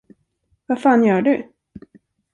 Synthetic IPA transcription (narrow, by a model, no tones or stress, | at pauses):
vafaːnjœːɖɵ